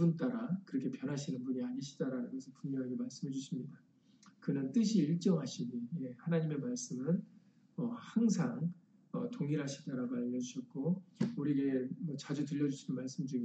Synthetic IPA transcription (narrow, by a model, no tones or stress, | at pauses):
bunt͈aɾakɯɾʌkʰepjʌnɦaɕʰinɯnbuɲiaɲiɕʰi̥daɾanɯnɡʌsʰɯpuŋɲʌŋimaɭs͈ɯmed͡ʑuɕʰimɲida | kɯnɯnt͈ɯɕʰiiɭt͡ɕ͈ʌŋɦaɕʰinije̞hanaɲime̞maɭs͈ɯmɯn | ʌhaŋsʰaŋ | ʌ̰toŋiɾɦaɕʰi̥t͈aɾaɡaʎːʌd͡ʑuɕʰʌt̚k͈ouɾiɡe̞mʌt͡ɕad͡ʑutɯʎːʌd͡ʑuɕʰinɯnmaɭs͈ɯmd͡ʑuŋi